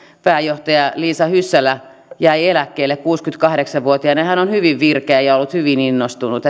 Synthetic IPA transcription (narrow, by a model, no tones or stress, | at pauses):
pæːjoht̪ɑjɑliːsɑhysːælæ | jæielækːeːlːekkuːskyt̪kɑhɾeksɑʋʋuot̪iɑnehænonhyʋiʋʋirkeæjɑolːut̪hyʋininːost̪unut̪